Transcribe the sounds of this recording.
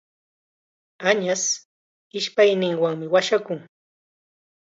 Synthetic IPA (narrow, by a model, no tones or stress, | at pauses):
aɲas | ɪʃpajnɪŋwaŋmɪwaʃakʊŋ